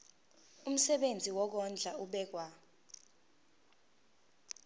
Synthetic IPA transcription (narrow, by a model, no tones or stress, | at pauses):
um̩sɛɓend͡zʱiwɔk̬ɔnd͡ɮʱauɓɛk̬wa